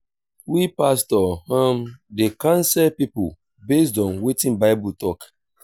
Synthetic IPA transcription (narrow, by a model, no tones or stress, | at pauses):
wipastɔhãmdekãnsɛpipṵ | bes̬dɔ̃nwetĩnbaɪbutɔk